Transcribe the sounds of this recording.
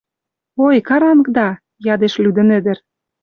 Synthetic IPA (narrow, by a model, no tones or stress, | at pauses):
ojkɑɾɑnkd̪ɑ | jɑd̪eʃlʲyd̪ə̆nɘ̆d̪ɘ̆r